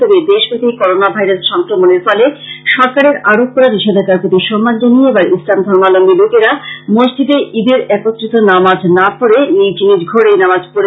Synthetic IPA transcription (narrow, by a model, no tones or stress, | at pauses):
ɔbed̪eʃbʱit̪ikɔɾonabʱajɾasʃɔŋkɾomoneɾfɔleʃɔɾkaɾeɾaɽok̚kɔɾaɾiʃed̪ʱakaɾpot̪iʃɔmːand͡ʑanijeebaɾislamd̪ʱɔɾmalombilokeɾamod͡ʑd͡ʑid̪eʔid̪eɾɛkot̪ːɾit̪onamad͡ʑnapoɾenid͡ʑinid͡ʑɡʱoɽenamad͡ʑpoɾe